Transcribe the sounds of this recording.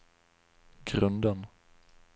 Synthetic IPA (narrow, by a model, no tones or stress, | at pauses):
ɡɾɵnd̪ən